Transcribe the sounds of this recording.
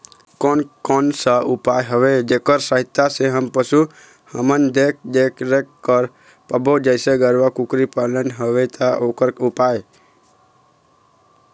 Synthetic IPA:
konkɔnsaupaːjɦəʋed͡ʒeːkəɾsəɦɪt̪ːaseɦəmpəsu | həmənd̪eːk̚ʰd̪eːkʰɾekkːəɾ | pəbod͡ʒəɪseɡəɾʋakukɾipalənɦəʋet̪ʰaoːkəɾupaːj

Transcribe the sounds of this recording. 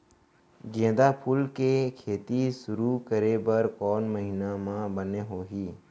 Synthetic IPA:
ɡẽːd̪apʰʊlkekʰeːt̪isʊɾukəɾebɐɾkɔːnməɦɪnamãbəneɦoːɦiː

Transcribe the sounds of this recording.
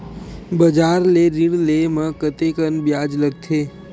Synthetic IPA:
bəd͡ʒaɾleɾiɽlemãkət̪ekənbjad͡ʒləɡt̪ʰe

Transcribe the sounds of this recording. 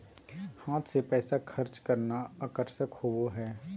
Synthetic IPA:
haːt̪ʰsepɛːsakʰɐɾt͡ʃkɐɾnaaːkəɾʃəkhoʋoɦɛː

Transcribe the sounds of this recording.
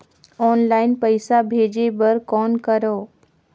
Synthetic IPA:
ɔːnlaːɪnpəɪsabʱeːd͡ʒebəɾkɔːnkəɾoː

